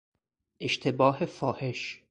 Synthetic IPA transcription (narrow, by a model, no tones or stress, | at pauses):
ʔeʃt̪ʰebɒːɦefɒːhe̞ʃ